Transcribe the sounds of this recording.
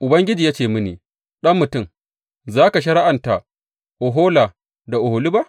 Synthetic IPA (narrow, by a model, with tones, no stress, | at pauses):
ʔʊ˨bɐ˦ŋɡʲɪ˦d͡ʒiː˨ja˦t͡ʃeː˨mɪ˦nḭː˨ | ɗɐ˦mːʊ˨tʊ˦˨m | zaː˦ka˨ʃ̬ɐ˦ɽa˦ʔa˨nta˨ʔ | ʔo˨ɦoː˦laː˨ | da˨ʔʊ˨ho˨li˦ba˦ʔ